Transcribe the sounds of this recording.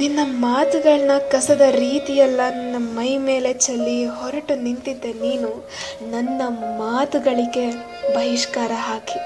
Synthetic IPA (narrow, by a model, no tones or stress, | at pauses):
ninːɐmaːt̪uɡɐɭɐnɐkɐsɐd̪ɐɾiːt̪ijɐlːɐninːɐmɐjme̞ːle̞t͡ʃɐlːiɦɔɾɐʈunint̪id̪ːe̞niːnu | nɐnːɐmaːt̪uɡɐɭiɡe̞ | bɐɦiʂkaːɾɐɦaːki̥